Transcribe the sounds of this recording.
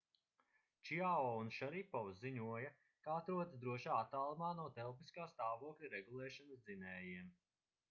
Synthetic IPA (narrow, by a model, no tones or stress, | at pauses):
t͡ʃiaɔunʃaɾipɔwsiɲuɔjɐ | kaat̪ɾuɔd̪sd̪ɾuɔʃaːat̪ːaːlˠumaːnuɔt̪ɛlˠp̬iskaːst̪aːvuɔklʲiɾɛɡulˠɛːʃɐnɐsd̪zinɛːjiɛm